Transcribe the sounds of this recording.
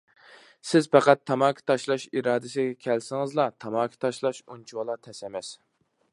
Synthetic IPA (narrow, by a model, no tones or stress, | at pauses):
sɪzpæqæt̪ʰːɑmɑkʲʰi̥t̪ʰɑʃlˠɑʃiɾɑːd̪ɪsɪɡʲɛkʲʰɛlsɪŋɨzlˠɑt̪ʰɑmɑːkʲʰi̥t̪ʰɑʃlˠɑʃunt͡ʃʰuwlˠɑt̪ʰɛsɛmɛs